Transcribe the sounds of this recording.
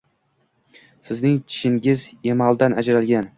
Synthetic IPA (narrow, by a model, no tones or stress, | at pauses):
sɪznɪŋt̪ʰɪ̥ʃɪŋɡʲɪze̞malˠd̪anad͡ʒɾalɡʲan